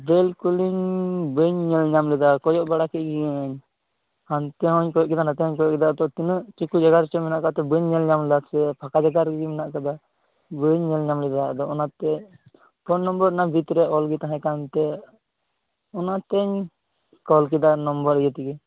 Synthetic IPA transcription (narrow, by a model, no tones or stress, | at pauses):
bɛlkuliɲbəɲːɛlɲamlɛd̪akɔjɔʔbaɽakɛɡiɛɲ | hant̪ɛɦɔɲkɔjɔʔkɛd̪anat̪ɛɦɔɲkɔjɔʔkɛd̪ad̪ɔt̪inəʔt͡ʃukud͡ʒaɡaɾt͡ʃɔmɛnaʔkat̪ɛbəɲːɛlɲamlasɛpʰakad͡ʒaɡaɾɡɡimɛnaʔkad̪a | bəɲːɛlɲamlɛd̪ad̪ɔɔnat̪ɛ | pʰɔnːɔmbɔɾnabʱit̪ɾɛɔlɡit̪aɦɛ̃kant̪ɛ | ɔnat̪ɛɲ | kɔlk̬ɛd̪anɔmbɔɾjɛt̪iɡɛ